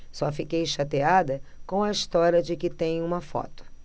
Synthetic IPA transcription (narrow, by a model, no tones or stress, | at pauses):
sɔfikejʃat̪ead̪ɐkõw̃ɐist̪ɔɾjɐd͡ʒɪkɪt̪ẽj̃ũmɐfɔ̰t̪ʊ̥